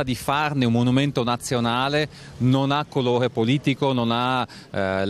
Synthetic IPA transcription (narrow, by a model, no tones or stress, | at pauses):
ad̪ifarneummonument̪onat̪sːjonaːle | nonakːoloːɾepoliːt̪ikonona | l